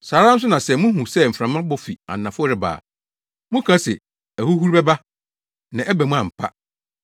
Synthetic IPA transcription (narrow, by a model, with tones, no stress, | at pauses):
saː˨ɾã˦n̩˦s̬ʊ˦nã˨sɛ˨mũ˦ɦũ˨sɛ˦m̩˨fɾã˨mã˦bɔ˦fi˨a̰˨nː˨ã˨fʊ˦ɾɪ˨ba̰ː˨ | mũ˦kʰã˦sɪ˨ | æ˨hu˦hu˦ɾbɛ˦ba˦ | nã˨ʔɛ˦bɛ˨mũ˦ã˨m̩˨pʰa̰˦